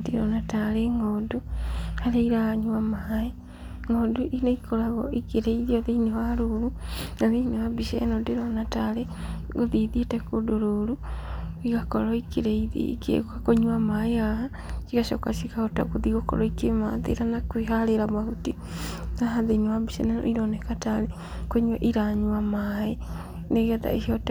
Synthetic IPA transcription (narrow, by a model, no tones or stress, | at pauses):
tiɾonataleŋɡoduhaɾeiɾaɲuamae | ŋɡoduʔineikolaɣoikiɾeiðioðeinewaɾuɾunaðiinewabiʃḛnodeɾonatale | ɡoðiðietekodoɾuɾuiɣakoɾɔikiɾeiðḭkḛkakoɲuwamaeaha | t͡ʃiɣaʃo̰ka̰sikahota̰ɣoðiɣoko̰ɾoikemaðḛɾanakwiɦaleɾamahuti | naɦaðenewabiʃḛnano̰iɾonekatale | kwoɲuaʔiɾaɲuwamae | neɣioða̰iʃiot